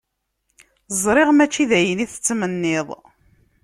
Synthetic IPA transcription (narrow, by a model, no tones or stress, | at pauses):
zˤɾˤɪʁmæt͡ʃːiðæjəniθə̥t͡sːmənːɪðˤ